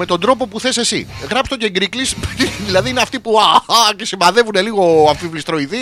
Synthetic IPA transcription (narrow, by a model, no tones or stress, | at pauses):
e̞t̪o̞nd̪ɾo̞po̞puθe̞se̞sḭɣɾɐpst̪o̞ceŋɡɾiklisðilɐðiineɐft̪ipuɐcesimɐðe̞vune̞liɣo̞ɐɱfivlist̪ɾo̞iði